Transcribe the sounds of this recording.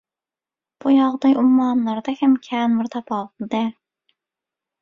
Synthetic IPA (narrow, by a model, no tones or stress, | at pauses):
b̥ujɑʁd̪ɑjʔumːɑnlˠɑɾd̪ɛhɛmkʲʰæːnmɨɾt̪ʰɑpɑlˠd̪ɛ